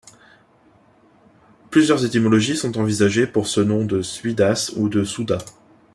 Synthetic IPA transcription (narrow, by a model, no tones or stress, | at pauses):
plyzjœʁzet̪imɔlɔʒisɔ̃t̪ɑ̃vizaʒepuʁsənɔ̃d̪əsɥid̪asud̪əsud̪a